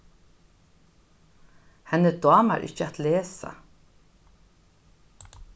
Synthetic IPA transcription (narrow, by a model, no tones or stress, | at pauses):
hɛnəd̪ɑːma̰ɾʔɪ̰hcəat̪leːsa̰